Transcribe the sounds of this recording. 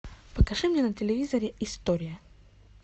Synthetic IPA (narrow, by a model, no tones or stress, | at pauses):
pəkɐʂɨmnʲenətʲɪlʲɪvʲizɐɾʲɪʔɪst̪oɾʲɪjə